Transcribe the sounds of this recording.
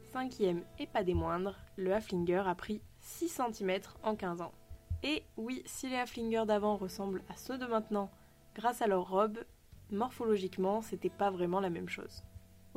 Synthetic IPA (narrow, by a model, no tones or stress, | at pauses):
sɛ̃kʲjɛmepad̪emwɛ̃d̪ʁləaflĩŋɡʲœʁapχi | sisɑ̃t̪imɛt̪χɑ̃kʲɛ̃zɑ̃ewisileaflĩŋɡʲœʁd̪avɑ̃ʁəsɑ̃blasød̪əmɛ̃t̪nɑ̃ | ɡ̥ʁasalœʁːɔb | mɔʁfɔlɔʒikmɑ̃set̪ɛpavʁɛmɑ̃lamɛmʃo̰ːz